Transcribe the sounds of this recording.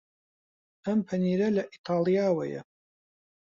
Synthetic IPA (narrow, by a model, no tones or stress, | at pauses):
ɐmpʰɐniːɾɐlɐʔit̪ʰɑːlˠijaːwɐjɛ̰